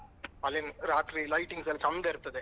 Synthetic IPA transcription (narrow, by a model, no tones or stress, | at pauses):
ɐlɪnɾaːt̪ɾilɐɪʈːɪŋɡsɛlːɐt͡ʃɐnd̪ɐɪɾɯt̪ːɐðɯ